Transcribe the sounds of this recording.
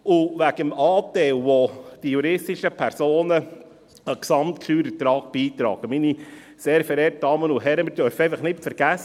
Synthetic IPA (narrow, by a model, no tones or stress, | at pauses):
ʊʋæɡəmɑːtɛlʋod̥ijuɾɪstiʃəpʰɛɾsoːnə | əksɑmtkʰlyːɾət̪ɾɑːk̚b̥iːt̪ɾɑ̰ːɡ̥əmini | seːɾfɛɾeːrt̚d̥ɑːmənʊɦɛɾəmɪɾdœɾfɛɪfəχnɪtfəɾɡ̥æs